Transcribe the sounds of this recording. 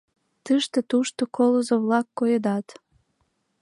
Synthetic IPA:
t̪ɨʃt̪ĕt̪uʃt̪okolozoβlɑkːojed̪ɑt̪

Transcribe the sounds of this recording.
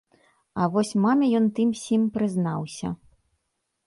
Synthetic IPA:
ɐvɔsʲmamʲɛjɔnt̪ɨmsʲimpɾɨznawsʲɐ̰

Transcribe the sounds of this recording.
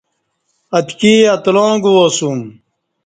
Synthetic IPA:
ɐt̪kiːɐt̪lõːɡuosum

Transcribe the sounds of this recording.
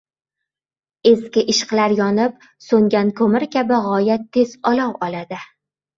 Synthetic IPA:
e̞skʲɪʔɪʃqlaɾjɒnɪp̚ | soŋɡʲankʰɵmɪɾkʲabɪʁɒjat̪ʰe̞zɒlɒwɒlad̪ɪ

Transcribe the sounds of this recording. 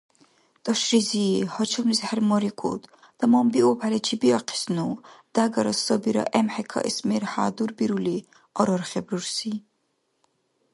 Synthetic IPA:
t̪ʼɔʃɾizihɔt͡ʃʰɔmlizhɛɾmɔɾikʰṵt̪ | d̪̥amɔmbiɔpʰalɛt͡ʃʰibiɔqʰi̥snud̪̥aɡɐɾɔsɔbiɾɔ̰ʔɛmhɛkʰɑ̰ʔismeɾha̰ːd̪uɾbiɾuli | ɔɾɔɾχɛbɾuɾsi

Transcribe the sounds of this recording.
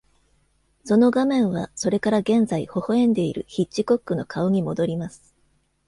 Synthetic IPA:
so̞no̞ɡamẽ̞ɰ̃βaso̞ɾe̞kaɾaɡẽ̞nd͡zaiho̞hoẽ̞nd̪e̞ḭɾɯ̟̰çit͡ɕːiko̞kːɯ̟no̞kʰao̞ɲ̟imo̞d̪o̞ɾʲimasɨ̥

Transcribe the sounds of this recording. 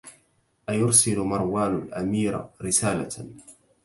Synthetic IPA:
ʔajʊɾsɪlʊmɑɾˤwaːnʊlʔamiːɾɾɪsaːla̰

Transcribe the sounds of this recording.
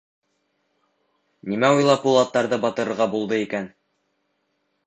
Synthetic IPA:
nimæujlˠɑpːulˠɑt̪ːɑɾðɤbɑt̪ɤ̆ɾɤ̆ɾʁɑbulˠd̪ɤikæn

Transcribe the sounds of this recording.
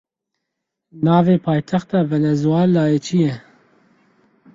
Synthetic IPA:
nɑːveːpʰɑːjt̪ʰɛxt̪ɑːvɛnɛzuwɑːlːɑːjet͡ʃʰijɛ

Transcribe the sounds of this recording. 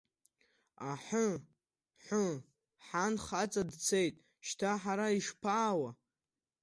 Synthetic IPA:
aħə | ħʷə | ħanχat͡sʼadt͡sʰejtʼ | ʃtʰaħaɾaiʂpʰaːwa

